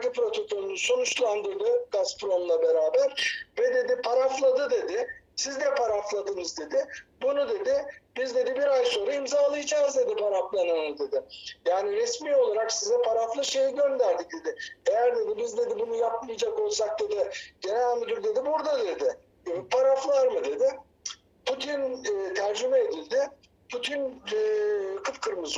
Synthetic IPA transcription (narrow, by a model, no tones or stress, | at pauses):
kipɾo̞t̪ʰo̞kʰo̞lˠunuso̞nut͡ʃlˠand̪ɯɾd̪ɯɡ̥aspɾo̞mlˠabeɾaːbæɾbɛd̪e̞d̪ipʰaɾaflˠad̪ɯd̪e̞d̪ɪsizd̪ɛpʰaɾaflˠad̪ɯnɯzd̪e̞d̪ɪbunud̪e̞d̪ɪbizd̪e̞d̪ibiɾajso̞ːɾaimzaːlˠɯid͡ʒazd̪e̞d̪ipʰaɾaflˠananɯd̪e̞d̪ɪjaːniɾɛsmiːo̞lˠaɾaksizɛpʰaɾaflˠɯʃe̞jiɟø̞nd̪æɾd̪ic̚d̪̥e̞d̪ɪejæɾd̪e̞d̪ibizd̪e̞d̪ibunujapmijad͡ʒako̞lˠsak̚d̪e̞d̪ɪɟ̥enamɯd̪uɾd̪e̞d̪ibuɾd̪ad̪e̞d̪ɪ | pʰaɾaflˠaɾmɯd̪e̞d̪ɪ | pʰut̪ʰinːt̪ʰæɾd͡ʒymɛed̪ilʲd̪ɪ | pʰut̪ʰin | kʰɯfkʰɯɾmɯz